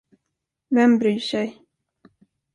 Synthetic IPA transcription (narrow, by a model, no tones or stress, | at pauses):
vɛmbɾyːʂɛj